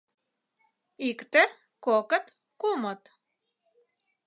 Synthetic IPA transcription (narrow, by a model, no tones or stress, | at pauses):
ikt̪e | kokət̪ | kumot̪